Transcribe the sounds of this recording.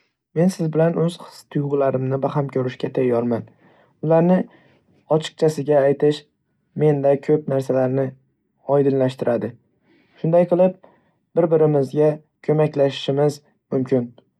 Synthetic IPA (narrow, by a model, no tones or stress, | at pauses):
me̞nsɪzbɪlanʔɵz̥χɨ̥st̪ʰʊjʁɨlaɾɪmnɪbaɦamkʲʰɵɾɪʃkʲat̪ʰajːɒɾman | ʊlaɾnɪ | ɒt͡ʃʰɨ̥q̚t͡ʃʰasɪɡʲaːjt̪ʰɪʃ | me̞nd̪akʲʰɵpnaɾsalaɾnɪ | ɒjd̪ɪnlaʃt̪ɪɾad̪ɪ | ʃʊnd̪ajqʰɨlˠɪp̚ | b̥ɪɾbɪɾɪmɪzɡʲa | kʲʰɵmakʲlaʃɪ̥ʃɪmɪz | mʊmkʲɪn